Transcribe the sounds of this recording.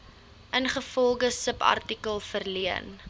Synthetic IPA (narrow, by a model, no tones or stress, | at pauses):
ʔənχəfɔlˠχəsəpɐ̰rtikəlˠfərliən